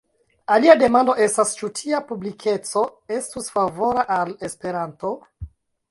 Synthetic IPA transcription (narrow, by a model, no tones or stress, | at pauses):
aliade̞mando̞ʔe̞stast͡ʃutʰiapublikʰe̞t͡so̞e̞stusfavo̞ɾaʔale̞spe̞ɾanto̞